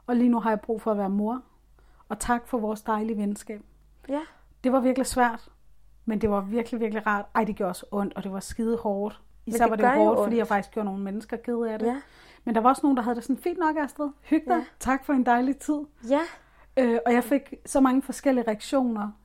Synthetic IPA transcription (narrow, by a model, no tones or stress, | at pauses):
ɒ̽liːnuɦɑ̈jɑ̈ɪb̥ʁṵːfɒ̽æʋæːɐmo̝ɐ̰ | ɒ̽t͡sʰɑ̈ɡ̥fɒ̽ʋɒːsd̥ɑ̈ɪliəʋensɡ̥ɛ̰ːb̥̚ | d̥e̝ʋɑ̈ʋiɐɡ̥lisʋæɐ̰d̥ | mend̥e̝ʋɑ̈ʋiɐɡ̥liʋiɐɡ̥liʁɑ̰̈ːd̥ɑ̈ɪ̰d̥e̝ɡ̥joɐsʔɔ̽n̰d̥ɒ̽d̥e̝ʋɑ̈sɡ̥iːð̞ˠəhɒːd̥ | isɛ̰ɑd̥ehɔːd̥fɒd̥ḭjɑfɑ̈ɡ̥d̥isɡ̥jo̝ɐ̰no̝ːn̩menəsɡ̥ɐɡ̥e̝ðˠæd̥e | mend̥ɑ̈ʋɑ̈ɒ̽sno̝ːn̩dɑ̈ɦæðˠde̝sɔ̽nfḭːnd̥nɒ̽ɡ̥æsd̥eðˠhyɡ̥̚d̥ɐt͡sʰɑ̈ɡ̥fɒ̽e̝nd̥ɑ̈ɪlit͡sʰið̞̰ˠ | øɒ̽jɑ̈ɪfe̝ɡ̥sɒ̽mɑ̈ŋəfɒ̽sɡ̥el̰iəʁɛæɡ̥ɕo̝̰ːnɐ